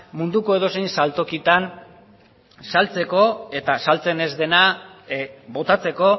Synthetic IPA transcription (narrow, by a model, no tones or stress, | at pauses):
mund̪uko̞e̞ð̞o̞se̞jnsalt̪o̞kit̪an | salt͡se̞ko̞e̞t̪asalt͡se̞ne̞zd̪e̞na | βo̞t̪at͡se̞ko̞